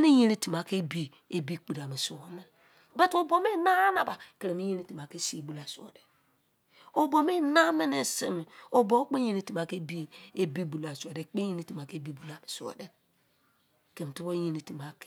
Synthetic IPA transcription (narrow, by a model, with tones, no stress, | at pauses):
ni˦ji˦ni˦ti˨m˨a˨ke˦bi˦ | e˨bi˦k͡pi˨ɾa˨mi˨su˨wo˨ne˦˨ | be˦to˨bo˨me˦na˦na˨ba˨ke˨ɾe˨mi˦ji˦ni˦ti˨m˨a˨ke˦si˦e˨bu˨la˨so̰˨de˨ | o˨bo˨me˦na˦me˦ne˨si˦mi˨o˨bo˨˦k͡pe˦ji˦ni˦ti˨ma˨ke˦bi˦e˦bi˦bu˨la˨so˨de˨k͡pe˦ji˦ni˦ti˨ma˨ke˦bi˦bu˨la˨mi˨sṵ˨o̰˨de˦ | ke˨m˨ti˦bo˦ji˦ni˨ti˨ma˨k